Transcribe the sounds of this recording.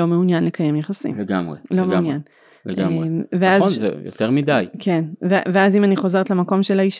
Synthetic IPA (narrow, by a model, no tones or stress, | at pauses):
o̞meunjanle̞kaje̞mjeχasḭmeɡamʁḛlo̞meunjan | eʔemveazzḛjo̰t̪eʁmidajkʰenveveazimaniχo̞ze̞ʁetlemako̞mʃelaiʃ